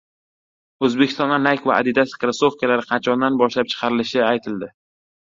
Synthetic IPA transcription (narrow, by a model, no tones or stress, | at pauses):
ɵzbekʲʰɪst̪ɒnd̪anajkʲva̰ːd̪ɪd̪asɪ̥kʲɾɪsofkʲalaɾɪqʰɑnt͡ʃʰɒnd̪anbɒʃlap̚t͡ʃʰɨ̥qʰɑɾɪlɪʃɪajt̪ʰɪld̪ɪ